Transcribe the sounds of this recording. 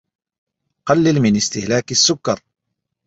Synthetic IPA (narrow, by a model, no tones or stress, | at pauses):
qɑlːɪlmɪnɪst̪ɪhlaːkasːʊkːɑɾˤ